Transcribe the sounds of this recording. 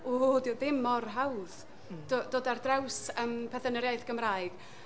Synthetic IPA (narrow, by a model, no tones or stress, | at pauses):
oːdiwðɪmɔrɦawð | d̥od̥oːdardrɛwsəmpʰɛθənəɾjaɨðɡ̥əmraːjɡ̥